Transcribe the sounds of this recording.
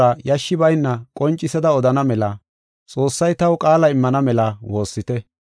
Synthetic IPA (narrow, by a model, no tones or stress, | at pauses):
ɐjɐʃːɪbɐjnːɐkʼɔnt͡ʃʼːɪsɐd̪ɐɔd̪ɐnɐmɛlɐ | t͡sʼo̞ːsːɐjt̪ɐwkʼaːlɐɪmːɐnɐmɛlɐwo̞ːsːɪt̪ɛ